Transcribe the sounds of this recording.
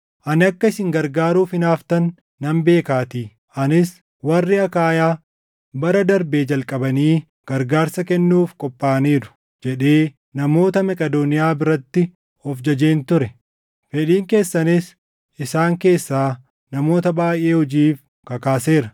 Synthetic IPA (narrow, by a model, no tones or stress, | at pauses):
ʔɐnɪɐkːɐɪsɪŋɡɐɾɡaːɾuːfɪnaːft̪ɐnː | ɐmbe̞ːkaːt̪iː | ɐnɪs | wɐrːɪɐkaːjaː | bɐɾɐd̪ɐɾbe̞ːd͡ʒɐlkʼɐbɐniː | ɡ̥ɐɾɡaːɾsɐkɛnːuːfkʼɔpʼːaːniːɾʊ̥ | d͡ʒɛᶑe̞ː | nɐmo̞ːt̪ɐmɐkʼɐd̪onɪjaːbɪɾɐt̪ːɪ | ɔfd͡ʒɐd͡ʒeːnt̪ʊɾɛ | fɛᶑiːŋke̞ːsːɐnɪs | ʔɪsaːŋke̞ːsːaː | nɐmo̞ːt̪ɐbaːjʔe̞ːhɔd͡ʒiːf | kɐkaːse̞ːɾɐ